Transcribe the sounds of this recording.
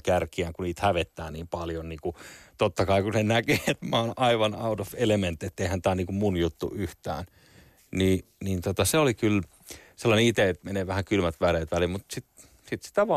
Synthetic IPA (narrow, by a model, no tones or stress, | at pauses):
kærkiæŋkuniːt̪hæʋet̪ːæːniːmpɑljonniːŋkut̪ot̪ːɑkɑikusenækeːet̪mæːnɑiʋɑnɑut̪ofelement̪ːet̪ːeihænt̪æːniːŋkummunjut̪ːṵyht̪æ̰ːn | niːniːnt̪ot̪ɑseolikyl | selːɑneit̪eet̪meneːʋæhækylmæt̪ʋæreːt̪ʋælilmut̪sit̪ | sit̪si̥t̪æʋɑ